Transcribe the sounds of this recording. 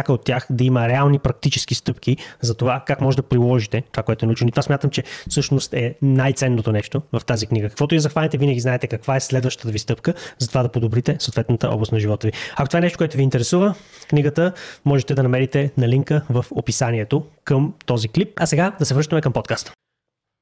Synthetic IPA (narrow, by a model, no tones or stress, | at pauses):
akəot̪ʲːjaxd̪ɐiməɾɛalˠnipɾɐk̚t̪it͡ʃɛ̥sk̟ist̪ɤpkʰizɐt̪ovakakmɔʒɛd̪ɐpɾilˠɔʒit̪ɛt̪ovakoɛt̪oɛnut͡ʃɛnoit̪ovasmjat̪əmt͡ʃɛfsɤʃnost̪ɛnajt̪sɛnːot̪onɛʃt̪ovɐft̪azikniɡəkɐ̥kvɔt̪ʊizɐxvalʲɛt̪ɛvinəɡʲiznaɛt̪ɛkɐkvaɛslɛd̪vəʃt̪ət̪əvist̪ɤpkəzɐt̪ovad̪ɐpod̪obɾit̪ɛsot̪vɛt̪nət̪əʔɔ̰blˠəst̪nɐʒivɔt̪əviɐkot̪ovaɛnɛʃtokowɛt̪oviːnt̪ɛɾɛsuvəkniɡət̪əmɔʒɛt̪ɛd̪ɐnɐmɛɾit̪ɛnɐliŋkəvəfopisaniɛt̪okəmt̪ɔziklip̚ɐsɛɡad̪ɐsɛvɾɤʃt̪əmɛkəmpɔt̪kast̪ə̥